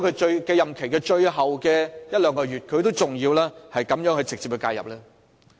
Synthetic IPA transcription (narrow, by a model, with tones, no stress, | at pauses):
kʰɵ˨˧t͡ʃɵ˧ɥkɛː˧jɐ˨mkʰe˨˩jkɛː˧t͡ʃɵ˧ɥɦɐ˨wkɛː˧jɐ˥t̚lœː˨˧ŋkɔː˧jyː˨t̚kʰɵ˨˧ɥt̪o˥wt͡sʊ˨˩ŋjiː˧wlɛː˥hɐ˨jkɐ˨˥mjœː˨˥ŋhɵ˧ɥt͡sɪ˨k̚t͡si˧p̚kɵ˧ka̰ː˧jɐ̰˨p̚lɛː˥